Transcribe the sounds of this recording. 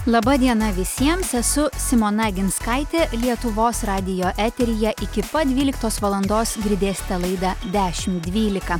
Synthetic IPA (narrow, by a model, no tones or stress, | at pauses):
lˠɐbɐd̪ʲiɛnɐʋʲɪsʲiɛmsɛsʊsʲɪmoːnɑːɡʲɪnskɑɪt̪ʲeːlʲiɛt̪ʊʋoːsɾɑːd̪ʲɪjoːʔæːt̪ʲɛɾʲɪjɛʔɪkʲɪpɐd̪ʲʋʲiːlʲɪkt̪oːsʋɐlˠɐnd̪oːsɡɾʲɪd̪ʲeːsʲt̪ʲɛlˠɐɪd̪ɑd̪ʲæːʃʲɪmd̪ʲʋʲiːlʲɪkɐ